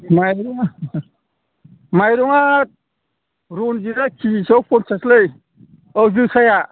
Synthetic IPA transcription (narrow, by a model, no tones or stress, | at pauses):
majɾɔŋa | majɾɔŋat̚ | ɾunziɾakʰisawpʰɔnsaslɯj | ɔwzɯsaja